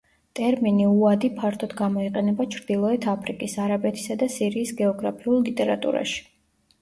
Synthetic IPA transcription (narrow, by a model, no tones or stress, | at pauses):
t̪ʼɛɾminiuad̪ipʰaɾt̪ʰɔd̪ɡamɔiqʼɛnɛbat͡ʃʰɾd̪̥ilˠɔɛt̪ʰapʰɾikʼisaɾabɛt̪ʰi̥sad̪asiɾiːsɡɛɔɡɾapʰiulˠlit̪ʼɛɾat̪ʼṵɾa̰ʃi̥